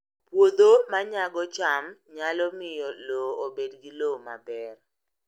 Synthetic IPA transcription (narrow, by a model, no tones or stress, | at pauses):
pwod̪omaɲaɡɔt͡ʃamɲalɔmɪjɔloobedɡiloma̰bɛr